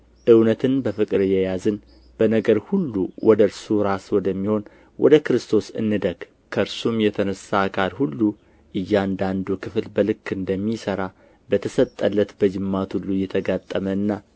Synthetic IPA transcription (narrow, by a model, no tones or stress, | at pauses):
ʔɨwnət̪ʰɨnbəfɨkʼɾɨjɛjazɨn | b̥ənəɡəɾhulːuwʔɔd̪əɨɾsuɾaswɔd̪əmːiho̞n | wʔɔ̰d̪əkɨɾɨst̪ʰo̞sɨ̰nːɨd̪əɡ̥ | kʰəɨɾsumjɛt̪ʰənəsakʰʼaɾhulːu | ʔɨjːand̪and̪ukʰɨflbəlɨkːɨnd̪əmːisəɾa | bət̪ʰəsət̪ʼːəlːət̪bəd͡ʒɨmːat̪hulːujɛt̪ʰəɡat̪ʼːəməɨnːa